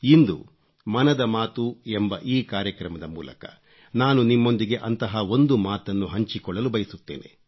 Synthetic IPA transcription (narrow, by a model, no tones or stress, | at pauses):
ind̪ṵ | mɐnɐd̪ɐmaːt̪ue̞mbɐʔiːkaːɾjɐkɾɐmɐd̪ɐmuːlɐ̰kɐ̥̰ | naːnunimːo̞nd̪iɡe̞ʔɐnt̪ɐɦɐo̞nd̪umaːt̪ɐnːuɦɐɲt͡ʃikɔɭːɐlubɐjisut̪ːḛːne̞̰